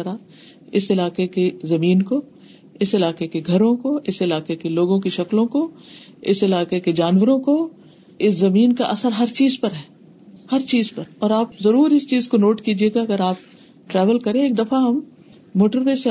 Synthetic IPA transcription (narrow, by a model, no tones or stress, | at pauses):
ɐɾa | ɪsɪlaːkekezɐmiːnko | ɪsɪlaːkekeɡʱɐɾõkoɪsɪlaːkekeloːɡõkiʃɐklõko | ɪsɪlaːkeked͡ʒaːnwəɾõko | ɪszɐmiːnkaʔɐsəɾɦɐɾt͡ʃiːzpɐɾɦɛː | hɐɾt͡ʃiːzpɐɾɔːɾaːp̚zɐɾuːɾɪst͡ʃiːzkonoːʈkiːd͡ʒieːɡaɐɡəɾaːp̚ | ʈɾɛːʋəlkɐɾẽeːk̚d̪ɐfaɦɐmː | oːʈəɾweːse